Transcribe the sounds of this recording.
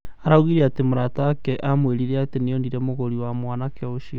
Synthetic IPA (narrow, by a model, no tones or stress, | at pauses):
aɾauɣiɾeatemoɾataːkɛʔamweɾiɾeatenejɔndiɾɛmoɣoɾiwamwanakeoʃiɔ